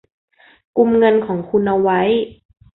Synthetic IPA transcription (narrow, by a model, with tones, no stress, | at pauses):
ku˧mŋɤ˧nkʰɔː˩˦ŋkʰu˧nʔa˧wa˦˥j